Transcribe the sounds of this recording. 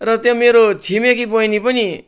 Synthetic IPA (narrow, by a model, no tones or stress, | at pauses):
rʌt̪jõmeɾot͡sʰimekipʌjnipʌni